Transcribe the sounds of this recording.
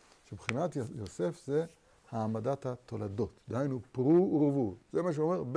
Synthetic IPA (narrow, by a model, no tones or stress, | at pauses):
ʃebχinat̪jose̞fze | haːmadat̪hat̪o̞lad̪o̞t̪d̪ehajnupʁuʁovuzemaʃ̬eome̞ʁb